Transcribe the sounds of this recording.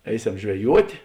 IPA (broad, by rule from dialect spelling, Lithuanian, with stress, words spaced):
ˈɛɪˌsʲɛm ʒʲʋʲɛˈjuɔtʲeː